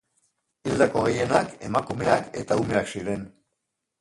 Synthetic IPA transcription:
ild̪ako̞ɣeje̞nake̞makume̞ake̞̰t̪aume̞aksiɾe̞n

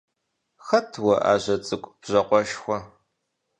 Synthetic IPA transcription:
xɐtʰwɐʔa̰ːʑɐt͡sʼɨkʷʼb̥ʑɐqʷʼɔʃxʷɔ

